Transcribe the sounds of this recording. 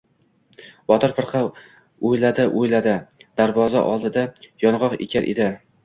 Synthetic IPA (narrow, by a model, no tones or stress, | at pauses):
bɒt̪ʰɪɾfɨɾqʰɑ | ojlad̪ɪʔojlad̪ɪd̪̥aɾvɒza̰ʔɒ̰lˠd̪ɪd̪ajɒnʁɒqḛkʲʰaɾʔḛd̪ɪ